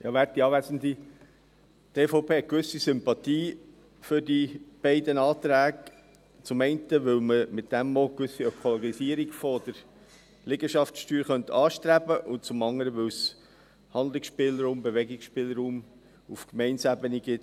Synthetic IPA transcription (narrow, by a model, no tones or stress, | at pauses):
jɑʋæːɾt̚ːiɑːʋæzənd̪i | teːfoʊpʰeːɛkʋʏsisʏmpɑt̪iː | fʏɾdib̥ɛɪdənɑːt̪ɾæːɡ | t͡sʊmɛɪntəʋʏwməmɪtd̥æmːɔkʋʏsiœkʰoloɡisiəɾiɡ̥fod̥̪əɾ | lɪɡəʃɑftsʃtyːɾχœnt̪ʰɑːʃtɾæbəʔʊnt͡sʊmɑŋəɾəʋʏws | hɑnd̪lɪksʃpɪːləɾuːmbeʋɛɡɪksʃpɪləɾuːm | ufkmɛɪnsæbəniɡ̥ɪt